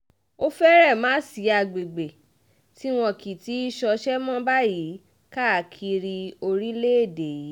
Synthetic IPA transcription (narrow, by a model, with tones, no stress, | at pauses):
o˦fɛ˦ɾɛ˦˨mãː˦si˨˦a˧ɡ͡be˨ɡ͡be˨ | ti˦w̃ɔ̃˧ki˨ti˨˦i˦ʃɔ˧ʃɛ˦mɔ̃˦ba˦ji˨˦ | ka˦˨kʰi˧ɾi˧o˧ɾi˦le˦e˦˨de˨ji˨˦